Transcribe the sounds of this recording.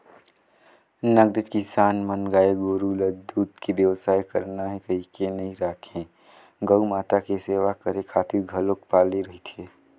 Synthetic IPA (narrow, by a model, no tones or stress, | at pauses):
nɐɡd̪ɪd͡ʒkɪsaːnmənɡaːeɡoːɾuːləd̪uːd̪kibjəʋsaːikɐɾnaɦɛkɐɦikenɐɦĩɾaːkʰẽː | ɡəumaːt̪akeseːʋakɐɾekʰaːt̪ʰɪɾɡʱɐlokpaːliɾɐɦit̪ʰieː